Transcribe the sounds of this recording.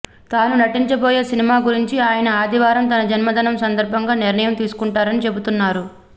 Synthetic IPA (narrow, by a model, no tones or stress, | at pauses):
t̪aːnunɐʈiɲt͡ʃɐboːjeːsinimaːɡuɾiɲt͡ʃiaːjɐnɐaːd̪ʱiʋaːɾɐmt̪ɐnɐd͡ʒɐnmɐd̪ʱɐnɐmsɐnd̪ɐɾbʱɐŋɡaːniɾnɐjɐmt̪iːsu̥kuɳʈaːɾɐnit͡ʃe̞but̪unːaːɾu